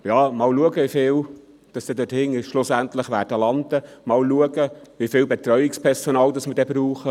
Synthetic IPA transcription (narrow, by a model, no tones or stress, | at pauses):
jɑːmɑːlluəɡəʋifɪːl | d̥ɑsd̥̪ɛːd̪øthɪŋɪʃʃlʊsænt̪ləχʋæːɾdəlɑnd̪əmɑːlluəɡəʋifɪːlbɛt̪ɾœʏɪkspʰɛɾsonɑːld̪ɑsmədɛːbɾuːχə